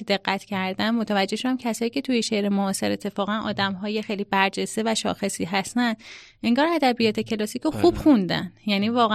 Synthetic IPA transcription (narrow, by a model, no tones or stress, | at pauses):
d̪e̞ɣːæt̪ʰcʰæɾd̪ænmot̪ʰævæd͡ʒːeʃoæmcʰæsɒːjiːkcʰe̞t̪ʰujeʃeʔɾemoɒːse̞ɾe̞t̪ʰːe̞fɒːɣænʔɒ̰ːd̪æmɦɒːjexejliːbæɾd͡ʒest̪e̞væʃɒ̰ːxe̞siːɦæst̪ænd̪ʔe̞ŋɡɒːɾæd̪æbijɒːt̪ʰe̞cʰe̞lɒːsiːcoxub̥xund̪æ̰njæniːvɒːɣæ